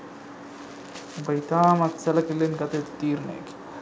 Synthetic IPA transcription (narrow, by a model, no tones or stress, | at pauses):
bɐjt̪aːmɐt̪sɐlɐkilːinkɐt̪et̪t̪iːɾnḛːk